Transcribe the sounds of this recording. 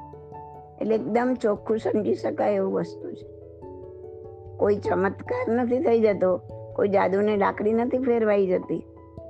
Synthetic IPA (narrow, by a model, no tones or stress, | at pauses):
ḛtleek̚d̪əmt͡ʃokʰũsəmd͡ʒiʃəkaeʋũʋəst̪ut͡ʃʰe̥ | koit͡ʃəmət̪kaɾnət̪ʰit̪ʰəid͡ʒət̪okoid͡ʒad̪unela̰kɽinət̪ʰipʰeɾʋaid͡ʒət̪i